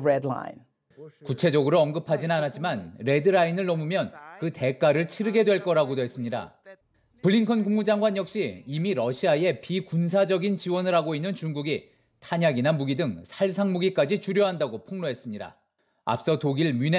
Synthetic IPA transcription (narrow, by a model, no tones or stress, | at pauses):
ɹɛdlã̰ɪ̃n | kut͡ɕʰe̞d͡ʑʌɡɯɾoʌŋɡɯpʰad͡ʑinanat̚t͡ɕ͈imanɾe̞dɯɾainɯɭːʌmumjʌnkɯte̞k͈aɾɯɭt͡ɕʰiɾɯɡe̞dwe̞ɭk͈ʌɾaɡodoɦe̞s͈ɯmɲida̰ | pɯɭːiŋkʰʌnkuŋmud͡ʑaŋɡwaɲjʌkɕ͈iːmiɾʌɕʰiae̞pikuns̬ʰad͡ʑʌɡint͡ɕiwʌnɯɾɦaɡoinːɯnt͡ɕuŋɡuɡi | tʰaɲaɡinamuɡidɯŋsʰaɭsʰaŋmuɡik͈ad͡ʑit͡ɕuɾjoɦandaɡopʰoŋnoɦes͈ɯmɲida̰ | a̰p̚s͈ʌtoɡiɭmine